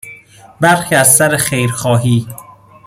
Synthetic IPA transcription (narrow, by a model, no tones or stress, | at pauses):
bæɾxiːæzsæɾexejɾxɒːɦiː